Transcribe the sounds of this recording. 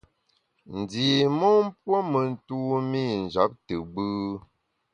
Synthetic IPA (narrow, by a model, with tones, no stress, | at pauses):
n̩˨diː˨mɔ˦m˦pwɔ˦mə˨n̩˦˨tu˦mi˦˨n̩˨d͡ʒa˨˦p̚tə˨ɡ͡bɨː˦